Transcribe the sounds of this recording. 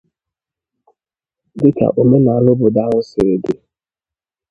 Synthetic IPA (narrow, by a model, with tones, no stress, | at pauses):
dɪ˦ka̰˨ʔo˨me˦na˨a˨lʊ˦bʊ˨da˦ŋʊ˦sɪ˨ɾe˨dɪ˦